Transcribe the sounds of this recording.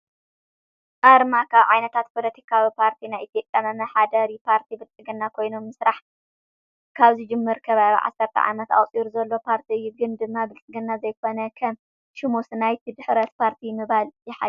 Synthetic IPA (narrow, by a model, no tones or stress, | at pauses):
ʔaɾmakʰaβʕajnɐt̪ʰat̪̚pʰolɐt̪ʰi̥kʰawipʰaɾt̪ʰinajʔit̪ʰjopʼjamɐmɐħad̪ɐɾipʰaɾt̪ʰibɨlt͡sʼɨɡɨnːakʰo̞jnomːɨsɾaħ | kʰaβzɨd͡ʒɨmːɨɾkʰɐβaβḭʕa̰sːɐɾt̪ʰɐ̰ʕa̰mɐt̪a̰wt͡sʼiɾuzɐlːo̞pʰaɾt̪ʰiɨjːuɡɨnd̪ɨmːabɨlt͡sʼɨɡɨnːazɐjkʰo̞nɐkʰɐm | ʃɪmusnajt̪ʰid̪ɨħɾɐt̪pʰaɾt̪ʰimɨβaljɪħa̰